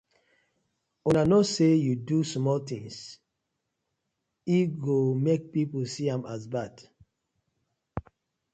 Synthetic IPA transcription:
unanɔsejudusmɔlt̪ĩŋs | iɡomek̚piposiãmasbad̥

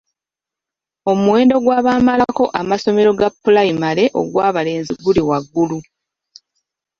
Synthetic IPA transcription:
o̞muwe̞ːndo̞ɡwaːβaːmalako̞ʔamaso̞me̞ɾo̞ɡapːulaimale̞ʔo̞̰ɡwaːβale̞ːnziɡuliwaɡːulu

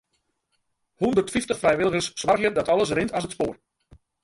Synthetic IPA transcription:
hundərtfiftəχfrɛjʋɪləɣəssʋarɣjədɔtɔlˠəs̬rɪntas̬ətspoːr

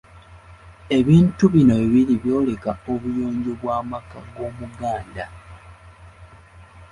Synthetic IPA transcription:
e̞βiːntuβino̞eβiɾiβjo̞ːle̞kaoβujoːɲɟoβwaːmakaɡo̞ːmuɡaːnda

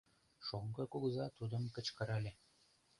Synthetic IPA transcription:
ʃoŋɡɤ̆kuɡzɑt̪ud̪ə̆mkə̆t͡ɕkɤ̆ɾɑlʲe

